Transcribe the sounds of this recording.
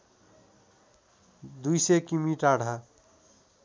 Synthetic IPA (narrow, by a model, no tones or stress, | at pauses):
d̪ujsekimiʈaɽ̤ʱa